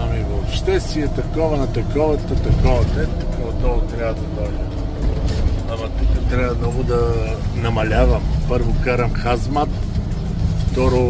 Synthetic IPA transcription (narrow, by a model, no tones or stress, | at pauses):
ɐmivoːpʃt̪ɛst̪iɛt̪ɐkɔvɐnɐt̪ɐkɔvət̪ət̪ɐkɔvɐt̪ɛt̪ːɐkɔvɐt̪ɔvt̪ɾʲavɐd̪ɐd̪ɔjdɛ | ɐmɐt̪ukət̪ɾʲabɐmnɔɡʊd̪ɐnɐmɐlʲavɐmpɤɾvokaɾɐmxazmat̪ | ft̪ɔɾo